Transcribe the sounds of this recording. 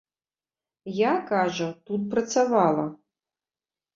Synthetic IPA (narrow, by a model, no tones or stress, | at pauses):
jakaʐɐtut̚prɐtt͡savalˠɐ